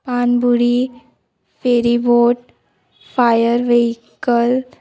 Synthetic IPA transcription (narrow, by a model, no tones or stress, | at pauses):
panbuɽi | feɾiboʈ̚ | fajəɾʋeɦikəl